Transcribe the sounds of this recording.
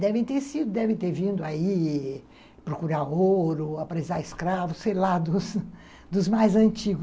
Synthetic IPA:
d̪ɛvẽj̃t̪eɾsid̪ʊd̪ɛvẽt̪eɾvĩnd̪ʊai | pɾokuɾaoɾʊapɾezaɾɪskɾavʊssejlad̪ʊs | d̪ʊzmajzɐ̃nt͡ʃiɡʊ

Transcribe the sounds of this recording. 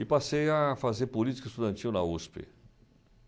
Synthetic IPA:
ɪpasejafazeɾpolit͡ʃi̥kɐɪst̪ud̪ɐ̃nt͡ʃiwnɐuspɪ̰

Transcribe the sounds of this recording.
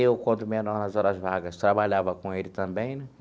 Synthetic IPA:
ewkɐ̃d̪ʊmienɔnɐzɔɾɐzvaɡɐst̪ɾabaʎavɐkõelɪt̪ɐ̃mbẽj̃nɛ

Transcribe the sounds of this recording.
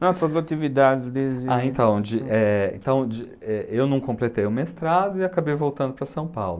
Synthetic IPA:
nɔ̃sɐzat͡ʃivid̪ad͡ʒɪzd̪ezd͡ʒaẽt̪ɐ̃w̃d͡ʒɪʔɛḛ̃t̪ɐ̃w̃d͡ʒɪ | ɛewnɐ̃w̃kõmplet̪ejʊmeɪst̪ɾad̪ʊɪakabejvowt̪ɐ̃d̪ʊpɾɐsɐ̃w̃pawlʊ

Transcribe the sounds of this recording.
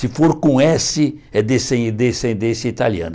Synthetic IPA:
sɪfoɾkõɛsɪ | ɛd̪esẽd̪ẽsẽnd̪ẽsjɐit̪aliɐ̰̃nɐ

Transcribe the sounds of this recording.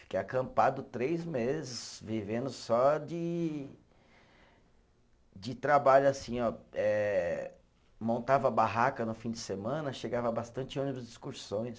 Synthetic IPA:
fi̥kejakɐ̃mpad̪ʊt̪ɾejzmezɪsvivẽnd̪ʊsɔd͡ʒɪ | d͡ʒɪt̪ɾabaʎʊasĩɔɛ | mõnt̪avɐbaɦakɐnʊfĩd͡ʒ̪ɪsemɐ̃nɐʃeɡavɐbast̪ɐ̃nt͡ʃɪũnɪbʊzd͡ʒiskuɾsõj̃s

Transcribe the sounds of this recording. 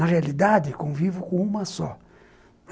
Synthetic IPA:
ɐʁealid̪ad̪ɪkõvivʊkõũmɐsɔ

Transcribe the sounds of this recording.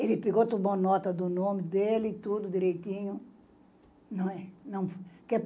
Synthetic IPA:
elɪpeɡot̪ubɐ̃nɔt̪ɐd̪ʊnõmɪd̪elɪt̪ud̪ʊd̪iɾejt̪ĩɲʊ | nɐ̃w̃ɛnɐ̃w̃fkɛp

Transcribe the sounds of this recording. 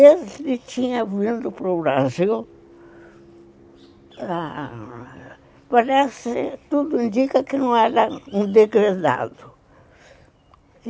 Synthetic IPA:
ezlɪt͡ʃiɲavĩnd̪ʊpɾobɾazil | a | paɾɛsɪt̪ud̪ʊĩnd̪ikɐkɪnɐ̃w̃ɛɾɐũd̪eɡɾed̪a̰d̪ʊ

